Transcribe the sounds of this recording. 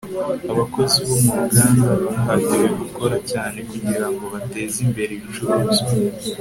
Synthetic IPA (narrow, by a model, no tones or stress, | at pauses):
aβako̞ziβo̞mumuɡaːndaβanɦabɟiɾeɡuko̞ɾacaːne̞kuɟiɾaŋɡo̞βate̞ːzimbe̞ɾeβit͡ʃuɾozi